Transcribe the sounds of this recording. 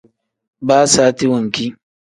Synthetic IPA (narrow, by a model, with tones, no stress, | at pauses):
baː˦saː˦ti˦wɐ˨ŋkʲiː˦